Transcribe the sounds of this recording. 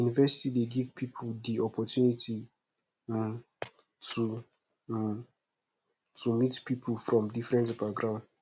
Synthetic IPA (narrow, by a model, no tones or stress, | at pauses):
junivɛsi̥tideɡivpʰipʰuldiɔpʰɔtʰjunitʰi | tʰu | tʰumitpʰipʰulfɹɔ̃mdifɹɛ̃ntbaɡɹãʊ̃nd